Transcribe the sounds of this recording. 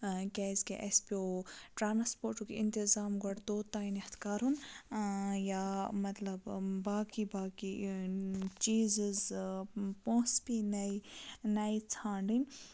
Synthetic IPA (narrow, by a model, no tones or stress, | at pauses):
kʲɛːzkḛʔespʲoːʈɾaːnspoːɾʈukḭint̪izaːmɡɔɽt̪oːt̪aːinihɐt̪ʰkaːɾun | jaːmɐt̪lɐbbaːkibaːki | t͡ʃiːzz | põːspinɐjnɐjt͡sʰãːɳɖin